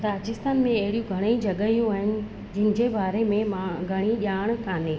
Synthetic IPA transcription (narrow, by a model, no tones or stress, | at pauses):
t̪aːt͡ɕɪst̪aːnmẽɐɦɪɽijũɡʱɐɽ̃id͡ʑɐɠəijũaːɦɪnɪ̆ | d͡ʑɪɪnɪ̆d͡ʑebaːɾemẽmaɡʱɐɽ̃iʄaːɽ̃kaːnẽː